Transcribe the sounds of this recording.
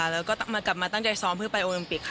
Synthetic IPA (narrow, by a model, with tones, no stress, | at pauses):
lɛː˦˥wkɔː˥˩t̪maː˧kla˨˩p̚maː˧a˥˩ŋt͡ɕa˧jsɔː˦˥mpʰɯ˥˩pa˧jʔoː˧li˧mpi˨˩k̚ʰ